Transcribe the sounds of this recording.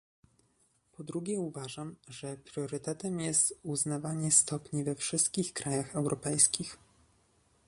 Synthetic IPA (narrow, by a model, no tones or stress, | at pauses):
pɔd̪ɾuɡʲɛuvaʐamʐɛpɾʲjɔɾɘt̪ɛt̪ɛmjɛst̪uznavaɲɛst̪ɔpɲivɛfʂɘst̪̚kʲixkɾajaxɛwɾʔɔpɛjskʲix